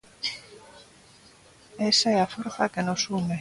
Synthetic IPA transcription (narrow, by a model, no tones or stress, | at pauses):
esaeafoɾθakenosume